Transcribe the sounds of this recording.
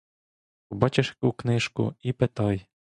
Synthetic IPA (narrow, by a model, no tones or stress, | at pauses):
pɔbɑt͡ʃeʃjɐkuknɪʃkʊ̰ipet̪ɑj